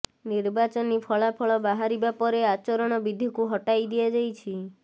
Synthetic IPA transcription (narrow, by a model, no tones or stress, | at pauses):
niɾbat͡ʃɔnipʰɔɭapʰɔɭɔbaɦaɾibapɔɾeat͡ʃɔɾɔɽ̃ɔbid̪ʱikuɦɔʈajd̪iad͡ʒajt͡ʃʰi